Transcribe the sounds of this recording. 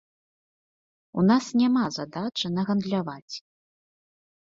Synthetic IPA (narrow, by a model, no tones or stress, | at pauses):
unasnʲamazad̪at͡ʂɨnɐɣɐnd̪lʲavat͡sʲ